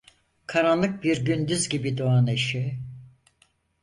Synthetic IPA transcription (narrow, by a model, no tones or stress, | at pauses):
kʰaɾanlˠɯk̚biɾɟynd̪yzɟibid̪oaneʃi